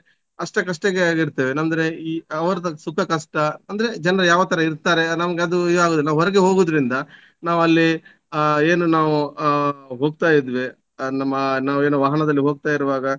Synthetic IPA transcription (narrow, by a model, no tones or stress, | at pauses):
ɐʂʈɐkɐʂʈɐɡeaːɡiɾt̪eːʋenɐnd̪ɐɾe̞iːɐʋɐɾɐd̪ɐsukʰɐkɐʂʈɐɐnd̪ɾe̞d͡ʒɐnɾɐjaːʋɐt̪ɐɾɐiɾt̪aːɾe̞nɐmɐɡeɐd̪uaːɡoːd̪ilːaɦɔɾɛɡe̞ɦo̞ːɡud̪ɐɾind̪ɐ | naːʋuɐlːi | eːnunaːʋu | ɦoːɡ̚t̪aːjid̪ʋe | nɐmːɐnaːʋue̞ːnuʋaːɦɐnɐd̪ɐlːiɦo̞ːɡ̚t̪aːjiɾuʋaːɡɐ